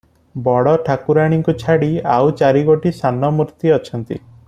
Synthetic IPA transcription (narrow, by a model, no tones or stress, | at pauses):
bɔɽɔʈʰakuɾaɽ̃iŋkut͡ʃʰaɽiawt͡ʃaɾiɡoʈisanɔmuɾt̪iɔt͡ʃʰɔnt̪ḭ